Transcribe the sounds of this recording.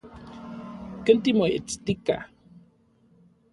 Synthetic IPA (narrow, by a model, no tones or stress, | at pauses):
kənt̪imoḛt͡st̪ika̰